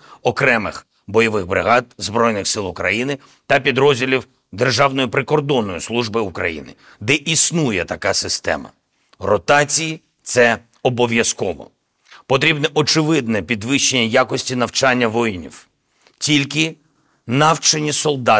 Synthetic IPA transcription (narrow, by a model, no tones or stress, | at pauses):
ɔkɾɛmɪx | bɔjɔʋɪxbɾɪ̰ɦɑd̪̚zbɾɔjnɪxsɪlˠʊkɾɐ̰jinɪ | t̪ɐpʲid̪ɾɔzʲdʲilʲiw | d̪erʒɑwnɔjipɾɪkɔrd̪ɔnːɔjislˠuʒbɪukɾɐ̰jḭnɪ̰ | d̪ɛʔisnujɛt̪ɐkɑsɪst̪ɛ̰mɐ̰ | rɔt̪ɑt͡sʲiji | t̪sɛ | ɔbɔʋʲjɐskɔʋɔ̰ | pɔt̪ɾʲibnɛʔɔt͡ʃɪʋɪd̪̚nɛpʲid̪ʋɪʃt͡ʃːenʲːɐjakɔsʲtʲinɐwt͡ʃɑnʲːɐʋɔjnʲḭw | tʲilʲkɪ | nɑwt͡ʃenʲisɔlˠd̪ɑ